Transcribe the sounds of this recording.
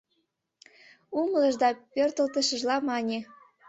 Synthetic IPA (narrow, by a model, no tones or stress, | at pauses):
umlə̆ʒd̪ɑpørt̪ə̆lt̪ə̆ʃə̆ʒlɑmɑnʲe